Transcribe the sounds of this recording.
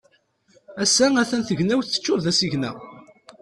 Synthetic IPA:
æsːææθænθəʝnæwθə̥t͡ʃːʊɾðæsiʝnæ̰

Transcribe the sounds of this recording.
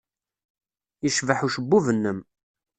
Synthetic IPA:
iʃvəħuʃəbːuvənːəm

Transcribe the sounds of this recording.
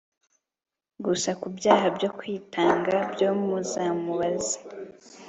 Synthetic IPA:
ɡusakubjaːɦabjo̞kwiːtʰaːŋɡabjoːmuzamuβazi̥

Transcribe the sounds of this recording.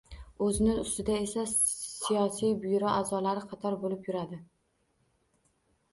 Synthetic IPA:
ɵzɪnɪʊst̪ɪd̪ae̞sasijɒsijbʊjɾɒʔazɒlaɾɪqʰɑt̪ʰɒɾbolɪpjʊɾad̪ɪ

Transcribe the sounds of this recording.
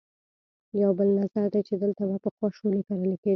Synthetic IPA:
jawbəlnazaɾd̪ajt͡ʃed̪əlt̪aβapəxwɑʃolekaɾəleke

